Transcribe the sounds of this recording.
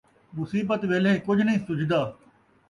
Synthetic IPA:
mʊsiːbət̪ʋeːlẽːkʊd͡ʒʱnəĩːsʊd͡ʒd̪aː

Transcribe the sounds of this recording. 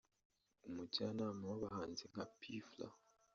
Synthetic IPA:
umucanamawaβahaːnziŋapʰifla̰

